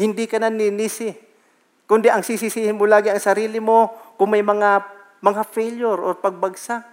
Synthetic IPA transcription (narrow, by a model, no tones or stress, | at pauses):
hɪnd̪ɪkɐnaninisɪ | kʊnd̪ɪʔɐŋsisisiːhɪnmolaːɡɪɐŋsɐɾiːlɪmo̞kʊŋmɐjmɐŋa | mɐŋafɛljoɾʔoɾpɐɡ̚baɡsaʔ